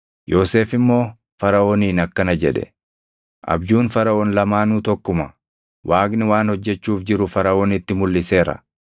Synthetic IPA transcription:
jʔo̞ːse̞ːfɪmːo̞ː | fɐɾɐʔoːniːnɐkːɐnɐd͡ʒɛᶑɛ̰ | ʔɐ̰bd͡ʒuːnfɐɾɐʔoːnlɐmaːnuːt̪ɔkːʊmɐ | wʔaːɡnɪwaːnhɔd͡ʒːɛt͡ʃːuːfd͡ʒɪɾʊfɐɾɐʔoːnɪt̪ːɪmʊlːɪse̞ːɾɐ̰

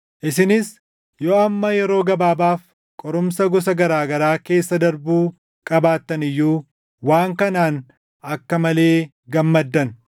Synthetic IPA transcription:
ʔɪsɪnɪs | joːɐmːɐjɛɾo̞ːɡɐbaːbaːf | kʼɔɾʊmsɐɡɔs̬ɐɡɐɾaːɡɐɾaːke̞ːsːɐd̪ɐɾbuː | kʼɐbaːt̪ːɐnɪjːuː | waːŋkɐnaːn | ɐkːɐmɐle̞ː | ɡɐmːɐd̪ːɐn

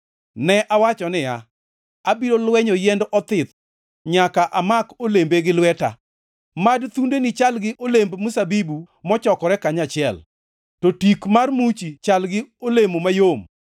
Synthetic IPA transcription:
nɛʔawat͡ʃɔnɪja | abiɾolwɛɲojɛndʔɔt̪ɪt̪ | ɲakaʔamakolembeɡɪlwɛta̰ | madt̪undenɪt͡ʃalɡɪʔolembmusabibu | mɔt͡ʃɔkɔɾɛkaɲat͡ʃɪɛ̰l | tɔtikmarmut͡ʃit͡ʃalɡɪolemomajom

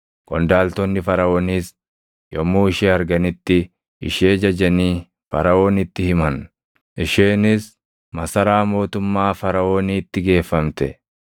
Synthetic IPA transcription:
kʼɔnd̪aːlt̪ɔnːɪfɐɾɐoːnis | jɔmːuːɪʃeːɐɾɡɐnɪt̪ːɪ | ɪ̰ʃeːd͡ʒɐd͡ʒɐniː | fɐ̰ɾɐo̞ːnɪt̪ːɪhɪmɐn | ʔɪʃeːnɪs | mɐsɐɾaːmo̞ːt̪ʊmːaːfɐɾɐo̞ːniːt̪ːɪɡe̞ːfːɐmt̪ɛ

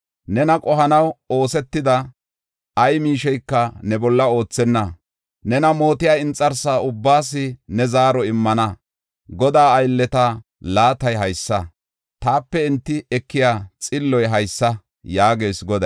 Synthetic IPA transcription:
nɛnɐkʼɔɦɐnɐwo̞ːsɛt̪ːɪd̪ɐ | ɐjmiːʃɛjkːɐnɛbɔlːɐo̞ːt͡sːɛnːɐ | nɛnɐmo̞ːt̪ɪjaːɪnt͡sʼːɐɾsaːʊbːaːs̬ɪnɛzaːɾɔɪmːɐnɐ | ɡɔd̪aːɐjlːɛt̪a | laːt̪ɐjɦɐjsːɐ | t̪aːpːɛɪnt̪ːɪɛkːɪjaːt͡sʼɪlːɔjɦɐjsːɐ | jaːɡe̞ːsɡɔd̪ɐ

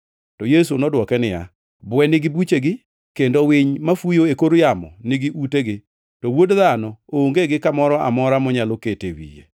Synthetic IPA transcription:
tɔjes̬unɔdwɔkɛnɪja̰ | bwɛnɪɡɪbut͡ʃeɡɪ | kendowɪɲmafujoekoɾjamɔ̰nɪɡɪʔuteɡɪ | tɔwodðanɔooŋɡeɡɪkamɔɾɔʔa̰mɔɾamɔɲaloketḛwḭjḛ

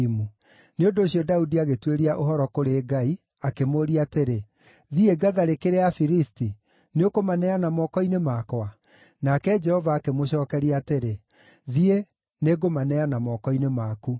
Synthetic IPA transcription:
mu | neondoːɕiɔdaudiaɣetweɾiaʔoɦɔɾɔkoɾeːɡai | akemoɾiateɾe | ðieɡaðaɾekeɾeafiɾisti | neokomanɛanamɔkɔinemakwa | nakɛd͡ʒɛhɔvaːkemoɕɔːkɛɾiateɾe | ðie | neɣomanɛanamɔkɔinemaku

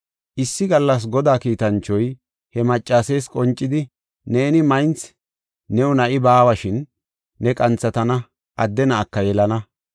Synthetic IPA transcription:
ʔɪsːɪɡɐlːɐs̬ɡɔd̪aːkiːt̪ɐnt͡ʃːɔj | hɛmɐt͡ʃʼːaːseːskʼɔnt͡ʃʼːɪd̪ɪ | ne̞ːnɪmɐjnt͡sː | ɛwʊnɐʔɪbaːwɐʃɪnː | ɛkʼɐnt͡sːɐt̪ɐnɐ | ʔɐd̪ːɛnɐːkːɐjɛlɐnɐ

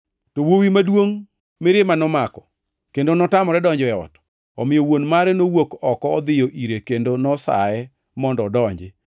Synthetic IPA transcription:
towowimadwoŋ | mɪɾɪmanɔmakɔ | kendonɔtamɔɾɛdɔɲd͡ʒɛɔ̰t | ɔ̰mɪjowonmaɾɛnowokɔkɔːd̪ɪjɔʔiɾekendonɔsa̰ɛ | mɔndɔdɔɲd͡ʒɪ

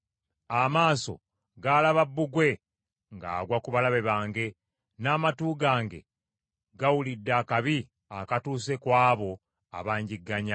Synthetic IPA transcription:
amaːso̞̰ | ɡalaβabːuɡwe̞ | ŋɡa̰ːɡwakuβalaβe̞βaːŋɡe̞ | naːmatuːɡaːŋɡe̞̰ | ɡawulidːakaβi | akatuːse̞kwaːβo̞ | a̰βaːɲɟiɡːaɲa

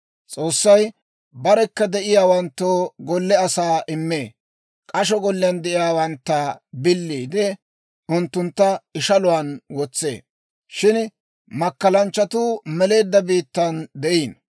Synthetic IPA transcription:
t͡sʼo̞ːsːɐj | bɐɾɛkːɐd̪ɛʔɪjaːwɐnt̪ːoːɡɔlːɛɐsaːʔɪmːeː | kʼɐʃ̬ɔɡɔlːɪjɐnd̪ɛʔɪjaːwɐnt̪ːɐbɪlːiːd̪ɛ | ʊnt̪ːʊnt̪ːɐɪʃɐlʊwaːnwɔt͡sːḛː | ʃɪn | mɐkːɐlɐnt͡ʃːɐt̪uːmɛle̞ːd̪ːɐbiːt̪ːɐnd̪ɛʔiːn

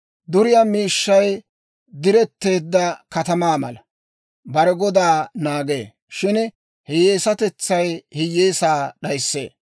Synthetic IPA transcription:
d̪ʊɾɪjaːmiːʃːɐj | d̪ɪɾɛt̪ːe̞ːd̪ːɐkɐt̪ɐmaːmɐ̰lɐ | bɐɾɛɡɔd̪aːnaːɡe̞̰ː | ʃɪn | hɪejeːsɐt̪ɛt͡sːɐjhɪjeːsaːɗɐjsːḛː

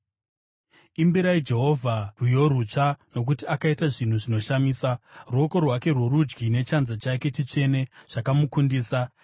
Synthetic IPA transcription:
imbiɾaid͡ʒe̞ɦo̞vʱarujo̞ɾut͡ʂano̞k̬utiakaitaʐin̤uʐino̞ʃamiːsaruo̞ko̞rwake̞rwoɾud͡ʒɡine̞t͡ʃanzat͡ʃake̞tit͡ʂe̞ne̞ʐ̥akamukundiːsa

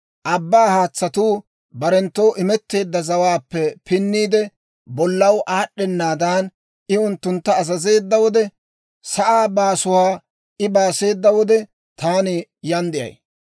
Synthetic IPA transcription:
ʔɐbːaːhaːt͡sːɐt̪uː | bɐɾɛnt̪ːo̞ːʔɪmɛt̪ːe̞ːd̪ːɐzɐwaːpːɛpɪnːiːd̪ɛ | bɔlːɐwʔaːɗɛnːaːd̪aːn | ʔɪʊnt̪ːʊnt̪ːɐːzɐze̞ːd̪ːɐwɔd̪ɛ | sɐʔaːbaːsʊwaː | ɪbaːse̞ːd̪ːɐwɔd̪ɛ | t̪aːnɪjɐnd̪ɪjɐ̰j

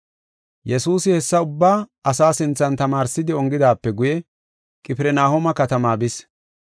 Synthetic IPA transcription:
jɛsuːsɪhɛsːɐʊbːaːɐsaːsɪnt͡sːɐnt̪ɐmaːɾsɪd̪ɪɔŋɡɪd̪aːpːɛɡʊjɛ | kʼɪpɪɾɛnaːhɔmɐkɐt̪ɐmaːbɪs

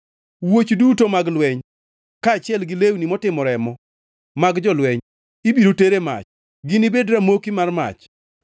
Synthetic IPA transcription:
wot͡ʃdutomaɡlwɛɲ | kaːt͡ʃɪɛlɡɪlewnimɔtɪmɔɾɛmɔ | maɡd͡ʒɔlwɛɲ | ibiɾoteɾema̰t͡ʃ | ɡɪnibedɾamokimarma̰t͡ʃ

